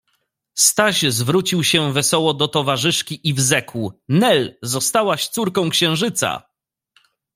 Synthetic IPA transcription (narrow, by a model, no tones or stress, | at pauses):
st̪aʑzvɾut͡ɕiwɕɛvɛsɔwɔd̪ɔt̪ɔvaʐɘʂkʲiʔivzɛkwnɛlzɔst̪awaɕt̪suɾkɔ̃w̃kɕɛ̃w̃ʐɘt̪sa̰